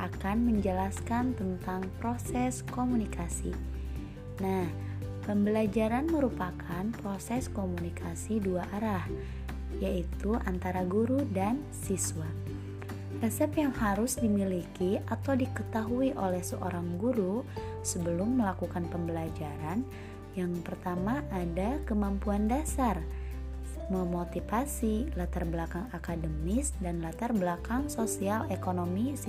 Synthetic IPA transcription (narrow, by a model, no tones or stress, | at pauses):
ʔakanməɲd͡ʒəlaskant̪ənt̪aŋpɾosɛskomunikasḭ | nah | pəmbəlad͡ʒaɾanməɾupakʰanpɾosɛskomunikʰasiduaʔaɾah | jait̪uʔant̪aɾaɡuɾudan | sisuwa | ʔɛsəpjaŋhaɾʊsdimilikiʔat̪awdikət̪aɦuiʔolɛhsə̰ʔoɾaŋɡuɾusəbəlʊmːəlakukanpəmbəlad͡ʒaɾan | jaŋpərt̪amaʔːdakəmampuandasar | məmot̪ifasilat̪arbəlakaŋakadəmɪsdanlat̪arbəlakaŋsosialekonomis